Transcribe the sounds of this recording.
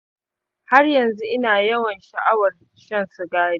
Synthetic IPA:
ha˦rjɐ˨nzu˦ʔɪ˦naː˨jɐ˦wɐ˨nʃɐ˨ʔa˦wɐ˨r | ʃɐ˦˨nsʊ˨ɡaː˦ɽi˦

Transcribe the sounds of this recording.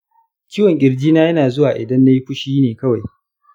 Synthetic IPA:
kʲiː˦wɐ˨ŋkʲʼɪ˨ɾd͡ʒiː˦naː˦jɐ˦naː˨zʊ˦waː˨ʔɪ˨dɐ˦nːa˦ji˦ɸʷʊ˦ʃiː˦neː˨kɐ˦wa˨j

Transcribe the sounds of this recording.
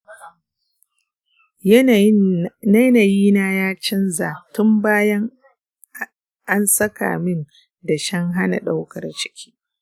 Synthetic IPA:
na˦naː˨jiː˦na˦jaː˦t͡ʃɪ˦nzaː˨tʊ˦mbaː˦jɐ˦ŋ | ʔa˦nsɐ˦ka̰ː˨mɪ˦n | da˨ʃɐ˦ŋɦa˦na̰˨ɗa˦wkɐ˨rt͡ʃɪ̥˦kʲʰi̥ː˦

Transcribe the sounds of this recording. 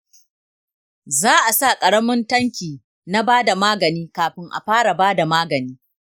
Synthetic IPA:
zaː˦ʔa˨sa˦˨kʼɐ˨ɽɐ˦mʊ˦ntɐ˦ŋkʲiː˨ | na˦baː˦da˨maː˦ɡɐ˨niː˦kaː˨ɸɪ˦ŋʔa̰˨ɸaː˦ɽa˨baː˦da˨maː˦ɡɐ˨niː˦

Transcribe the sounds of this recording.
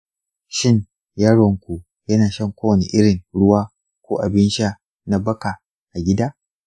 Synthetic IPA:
ʃɪ˦n | jɐ˦ɽɔ˨ŋkʷu˨ | jɐ˦naː˨ʃɐ˦˨ŋkʷoː˦wɐ˨nḭ˨ʔɪ˦ɽɪ˨ŋɽʊ˦waː˦ | kʷoː˦ʔa˨bɪ˦nʃa˦ | na˨bɐ˦ka˨ | ʔa˨ɡʲɪ˦daː˦

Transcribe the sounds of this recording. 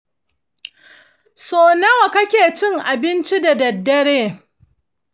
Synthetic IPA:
soː˨nɐ˦wa˨kɐ˦kʲeː˨t͡ʃɪ˦ŋʔa˨bɪ˦nt͡ʃi˦da˨dɐ˨dːɐ˦ɽeː˦

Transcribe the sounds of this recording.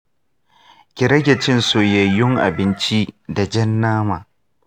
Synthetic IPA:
kʲɪ˨ɾɐ˦ɡʲɛ˨t͡ʃɪ˦nsoː˨jɐ˨jːʊ˦ŋʔa̰˨bɪ˦nt͡ʃi˦da˨d͡ʒɐ˦nːaː˦maː˨

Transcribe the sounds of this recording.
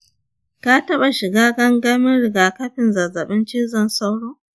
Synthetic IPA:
ka˦tɐ˦ɓa˨ʃɪ˨ɡaː˦ɡɐ˦ŋɡɐ˦mɪ˦nɽɪ˨ɡaː˨kɐ˦ɸɪ˨nzɐ˨zɐ˨ɓɪ˦nt͡ʃiː˦zɐ˦˨nsa˦wɽoː˦

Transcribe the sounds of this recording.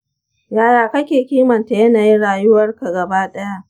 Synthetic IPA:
jaː˦jaː˨kɐ˦kʲeː˨kʲiː˦mɐ˨nta˨jɐ˦naː˨ji˦nɽaː˨jʊ˦wɐ˦rka˨ɡɐ˨baː˦ɗɐ˦ja˦ʔ

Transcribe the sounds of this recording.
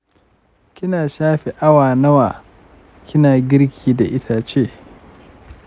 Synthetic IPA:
kʲɪ˦naː˨ʃaː˦ɸe˨ʔa˦waː˨nɐ˦waː˨ | kʲɪ˦naː˨ɡʲɪ˦ɾkʲʰiː˦da˨ʔɪ˦tʰa˨t͡ʃeː˦

